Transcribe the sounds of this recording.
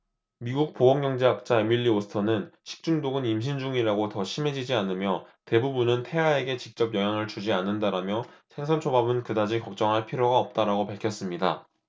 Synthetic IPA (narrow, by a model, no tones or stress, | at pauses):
miɡuk̚poɦʌŋɡjʌŋd͡ʑe̞ɦak̚t͡ɕ͈aemiʎːiosʰɯ̥tʰʌnɯnɕʰi̥k̚t͡ɕ͈uŋdoɡɯnimɕ̬ʰind͡ʑuŋiɾaɡotʌɕʰime̞d͡ʑid͡ʑianɯmjʌte̞bubunɯntʰe̞ae̞ɡe̞t͡ɕik̚t͡ɕ͈ʌp̚jʌɦjaŋɯɭt͡ɕud͡ʑianːɯndaɾamjʌsʰe̞ŋsʰʌnt͡ɕʰobabɯnkɯdad͡ʑikʌk̚t͡ɕ͈ʌŋɦaɭpʰiɾjoɡaʌp̚t͈aɾaɡopaɭkʰjʌs͈ɯmɲida̰